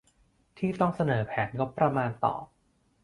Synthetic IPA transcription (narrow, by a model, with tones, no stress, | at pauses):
t̪ʰiː˥˩t̪ɔ˥˩ŋsa˧nɤː˩˦pʰɛː˩˦nŋo˦˥t̚pːɾa˧maː˧nt̪ɔ̰ː˨˩